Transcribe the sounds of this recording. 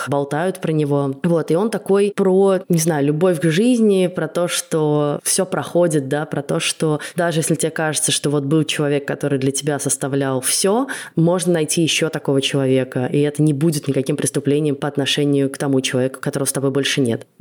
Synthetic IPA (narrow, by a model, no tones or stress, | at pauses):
bɐlˠt̪ajʊt̪pɾənʲɪvo̞vo̞t̪ɪo̞nt̪ɐko̞jpɾonʲɪznajʊlʲʊbo̞fʲɡʐɨzʲnʲɪpɾɐt̪o̞ʂt̪ofsʲo̞pɾɐxo̞dʲɪt̪̚d̪apɾɐt̪o̞ʂt̪o̞d̪aʐɨjesʲlʲɪtʲɪekaʐɨt̪səʂt̪o̞vo̞t̪̚bɨlˠt͡ɕɪlˠɐvʲe̞kːɐt̪o̞ɾɨjd̪lʲətʲɪbʲasəst̪ɐvlʲalˠfsʲomo̞ʐnənɐjtʲijɪɕːo̞t̪ɐko̞vət͡ɕɪlˠɐvʲe̞kəʔiɛt̪ənʲɪbudʲɪt̪nʲɪkɐkʲimpɾʲɪst̪ʊplʲenʲɪjəmpəɐt̪nɐʂɛnʲɪjʊkt̪ɐmut͡ɕɪlˠɐvʲekʊ̥kɐt̪o̞ɾəvəst̪ɐbo̞jbo̞lʲʂɨnʲḛt̪